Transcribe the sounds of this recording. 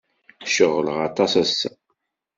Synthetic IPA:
ʃəʁːələʁɑt̪ˤɑsæsːæ

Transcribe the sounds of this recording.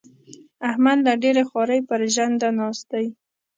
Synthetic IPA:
ahmad̪laɖeɾexɑɾəjpəɾʒand̪anɑst̪aj

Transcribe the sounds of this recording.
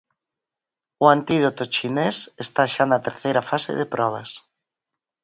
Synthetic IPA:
ʊant̪iðot̪ot͡ʃinesest̪aʃanɐt̪eɾθejɾafasḛðepɾɔβ̞ɐ̰s

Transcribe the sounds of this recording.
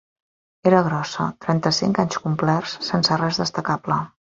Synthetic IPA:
eɾəɣ̞ɾɔsət̪ɾɛnt̪əsiŋkaɲskumplɛrssːɛnsərɛzðəst̪əkaplə

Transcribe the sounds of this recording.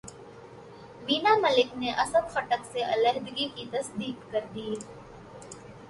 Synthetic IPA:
ʋiːnaːmɐlɪkneʔɐsəd̪xɐʈəkseʔɐləɦd̪ɡikit̪ɐsd̪iːkːɐɾd̪iː

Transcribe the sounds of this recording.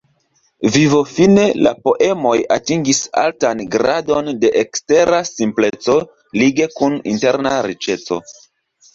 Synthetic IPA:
vivo̞fine̞la̰po̞ʔe̞mo̞jatiŋɡisa̰ltanɡɾado̞nde̞ʔekste̞ɾasimple̞t͡so̞ | liɡe̞kunḭnte̞ɾnaɾit͡ʃe̞t͡so̞̰

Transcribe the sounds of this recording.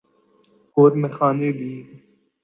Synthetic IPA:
koːɾmexaːneːbiː

